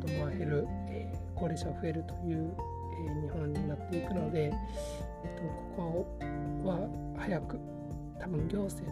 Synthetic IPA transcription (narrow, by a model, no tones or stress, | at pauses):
t̪omoaɾeɾɯ̟ | eko̞ːɾeɕaɡoɸɯ̟e̞ɾɯ̟t̪o̞̥jɯ̟ː | eɲ̟ihõ̞ɲ̟ːinat̪ːe̞ikɯno̞d̪e̞ | t̪ːoko̥ko | βa | hajakɯ̟̥ | t̪abɯ̟̃ŋɡʲo̞ːse̞ː